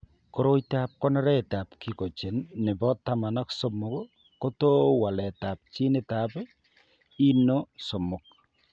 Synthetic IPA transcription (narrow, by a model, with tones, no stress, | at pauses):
koɾo˦jta˦p̚kɔ˦nɔ˦ɾɛ˦ta˨pki˨ko˨t͡ʃe˨nːɪ˨bɔ˦ta˦ma˨nɔ˦kso˦mʊ˨k | ko˦to˦wa˨lɛ˨ta˨p̚t͡ʃi˦nɪ˦ta˨p | i˦no˦so˨mʊ˨k̚